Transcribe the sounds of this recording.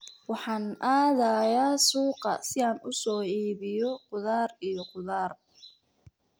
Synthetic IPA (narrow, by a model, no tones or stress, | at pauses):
wɑħɑːnʔaːðaːjaːsuːqɑ̰sɪaːnʊsɔːiːβɪjɔqʊðaːrijɔqʊðaːr